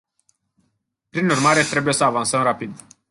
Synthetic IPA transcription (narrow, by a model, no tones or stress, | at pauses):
pɾinurmaɾe̞t̪ɾe̞buje̞səavansəmrapid̪